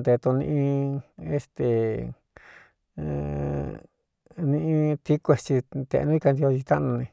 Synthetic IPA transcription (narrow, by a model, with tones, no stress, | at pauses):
d̪e˧t̪ũ˧nḭ̃˧ĩ˧e˧st̪e˨ | nĩ˧ʔĩ˧t̪i˦kʷe˧t͡ʃi˧t̪ḛ˧nũ˦i˧ka˧nd̪i˧o˧t͡ʃi˧t̪a˦˧nũ˧nẽ˧